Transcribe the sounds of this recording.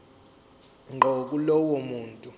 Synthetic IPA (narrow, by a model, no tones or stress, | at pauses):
ŋʱok̬ulɔwɔmuːntʼu